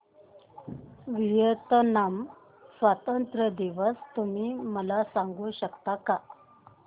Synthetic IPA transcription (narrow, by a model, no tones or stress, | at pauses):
ʋijət̪ənam | sʋat̪ənt̪ɾəd̪iʋəst̪um̤iːməlasaŋɡuɕəkt̪aka